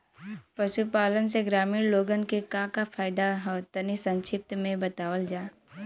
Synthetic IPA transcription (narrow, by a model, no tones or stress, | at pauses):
pɐʃupaːlənseɡɾaːmiːɾloːɡənkekãːkafʰaːjd̪aɦɔːt̪ɐnisɐ̃nʃɪp̚t̪mẽbɐt̪aːwəld͡ʒaː